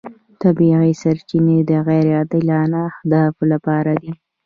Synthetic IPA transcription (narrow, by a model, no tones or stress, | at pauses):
t̪abiɣisaɾt͡ʃined̪əɣajɾjɑd̪əlɑnaːhd̪ɑflapɑɾad̪i